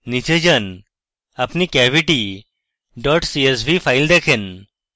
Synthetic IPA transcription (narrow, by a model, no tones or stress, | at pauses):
nit͡ɕed͡ʑən | apniːkɛʋiʈi | ɖɔʈsies̬bifajld̪ɛkʰẽn